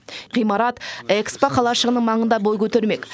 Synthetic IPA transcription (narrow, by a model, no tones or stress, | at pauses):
qijmɑɾɑt̪ekspaqʰɑlˠɑʃəʁənəɴmɑɴənd̪ɑbo̞jkʲʰɵt̪e̞ɾme̞kʲ